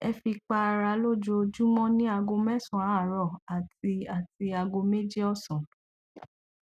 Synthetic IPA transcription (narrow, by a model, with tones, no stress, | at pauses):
ɛ˧fi˧k͡pa˧a˧ɾa˨˦lo˦˨d͡ʒo˧d͡ʒu˦mɔ̃˦nĩ˦a˧ɡo˧mɛ˦sɔ̃˨a˨˦˨ɾɔ˨a˨ti˧a˨ti˧a˧ɡo˧me˦d͡ʒi˦ɔ˦˨sɔ̃˨